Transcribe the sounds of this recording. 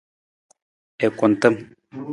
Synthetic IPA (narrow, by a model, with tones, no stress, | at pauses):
e˨ko˨n˨t̪ə˦m